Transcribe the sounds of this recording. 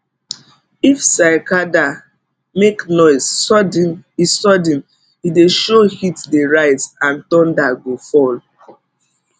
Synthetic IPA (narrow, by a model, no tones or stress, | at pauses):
ifsaɪkada | meknɔɪsɔdisɔdĩn | ideʃohitdeɹaɪzãntɔ̃ndaɡofɔl